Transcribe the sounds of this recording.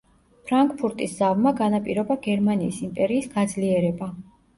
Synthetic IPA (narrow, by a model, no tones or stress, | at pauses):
pʰɾaŋkʼpʰuɾt̪ʼisz̥avmaɡanapʼiɾɔbaɡɛɾmaniːsimpʼɛɾiːsɡad̪zliɛɾɛba